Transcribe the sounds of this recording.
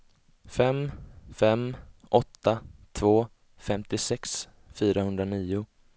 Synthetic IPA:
fɛmfɛmʔɔt̪ːat̪ʰvoː | fɛmt̪ɪsɛks | fyːɾahɵnd̪ɾaniːʊ

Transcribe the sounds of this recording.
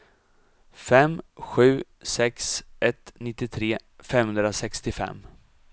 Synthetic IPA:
fɛmɧʉ̟ː | sɛksʔɛt̪nɪt̪ːɪt̪ʰɾeːfɛmhɵnd̪ɾasɛkst̪ɪfɛ̰mː

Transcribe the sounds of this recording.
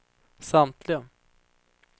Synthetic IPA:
samt̪ʰlɪɡə

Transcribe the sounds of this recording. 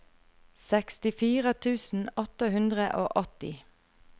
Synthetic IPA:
sɛkst̪ɪfiːʁət̪ʰʉːsn̩ɔt̪əhʉnd̪ʁəʔoːʔɔt̪ɪ

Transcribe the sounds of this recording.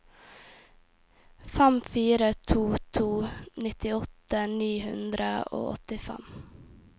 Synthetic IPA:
fæmfiːɾət̪ʰuːt̪ʰuːnɪt̪ɪɔt̪əniːhʉnd̪ɾəo̰ːʔɔ̰t̪ɪfæ̰m

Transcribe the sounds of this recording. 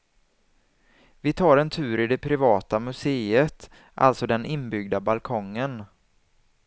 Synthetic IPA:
vɪt̪ʰɑːɾɛnt̪ʰʉ̟ːɾɪd̪ɛpʰɾɪvɑːt̪amɵseːət̪ | ʔa̰lt̪sɔd̪ɛnʔɪnbʏɡ̚d̪abalkʰɔŋːən

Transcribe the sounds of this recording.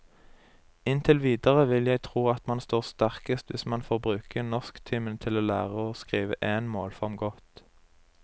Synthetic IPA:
ɪnt̪ʰɪlʋiːd̪əʁəʋɪljæɪt̪ʰʁuːɑt̪mɑnst̪oːʁst̪æʁkəst̪ʋɪsmɑnfɔʁbʁʉːkʰənɔskt̪ʰɪmənt̪ʰɪloːlæ̰ːʁəoːskʁiːʋə̰ʔeːnmoːlfɔʁmɡɔt̪

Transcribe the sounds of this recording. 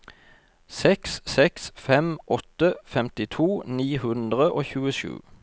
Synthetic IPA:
sɛksːɛksfɛmʔɔt̪əfɛmt̪ɪt̪ʰuːniːhʉnd̪ʁəʔoːçʉːəʃʉ̰ː

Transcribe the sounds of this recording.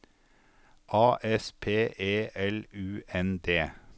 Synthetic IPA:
ʔɑːʔɛspʰeːʔeːʔɛlʉːʔɛnd̪eː

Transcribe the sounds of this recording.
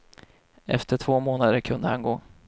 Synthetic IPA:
ɛ̰ft̪əʈʰv̥oːmoːnad̪əɾkʰɵnd̪əhanɡoː

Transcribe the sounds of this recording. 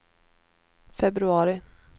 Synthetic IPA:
fɛbɾɵɑːɾɪ

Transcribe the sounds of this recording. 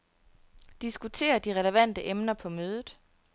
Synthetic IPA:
d̥isɡ̥ut͡sʰe̝̰ːɐd̥iʁɛləʋæn̰d̥əʔemnɐpʰɒ̽møːð̞ˠð̩ˠ

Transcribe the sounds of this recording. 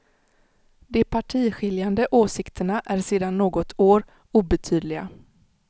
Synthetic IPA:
d̪ɛpʰaʈʰiːɧɪljand̪əʔoːsɪkt̪ʰəɳaʔæɾseːd̪anːoːɡɔt̪ʰoːɾ | uːbɛt̪ʰyːd̪lɪɡa̰

